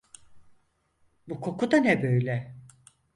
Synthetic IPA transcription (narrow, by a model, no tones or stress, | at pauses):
bukʰo̞kʰud̪anɛbø̞jlʲɛ